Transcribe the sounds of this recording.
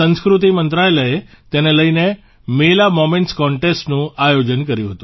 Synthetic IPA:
ə̃nskɾut̪̬imənt̪ɾajləe | t̪eneləine | melamomẽɳʈskɔɳʈesʈnũajod͡ʒənkəɾjũɦət̪ũ

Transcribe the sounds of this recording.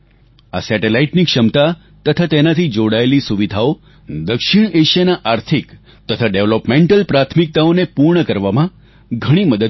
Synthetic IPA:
a̰sɛʈelaiʈniːkʂəmt̪a | t̪ət̪ʰat̪enat̪ʰiːd͡ʑoɽajliːsuʋid̪ʱao | d̪əkʂiɳeɕjenaʔaɾt̪ʰik | t̪ət̪ʰaɖeʋləpmeɳʈəlpɾat̪ʰmik̚t̪aonepuɾɳəkəɾʋamã | ɡʱəɽ̃iːməd̪ə

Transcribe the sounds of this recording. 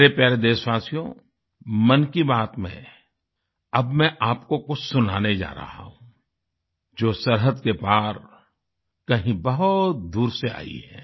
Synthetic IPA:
ɾepɛːɾed̪eːswaːsijõ̰ | mɐnkibaːt̪mḛ̃ | ɐbmɛ̃ʔaːp̚kokʊt͡ʃʰsʊnaːned͡ʒa̰ːɾɐ̰ɦa̰ɦũ | d͡ʒoːsɐɾɦəd̪kepaːɾ | kɐɦĩbɐɦʊt̪̚d̪uːɾsea̰ːḭɦɛ̰ː

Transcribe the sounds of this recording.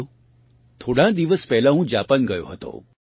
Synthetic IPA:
t̪ʰoɽãd̪iʋəspɛɦlaɦũd͡ʒapənɡəjo̰ɦət̪o̰

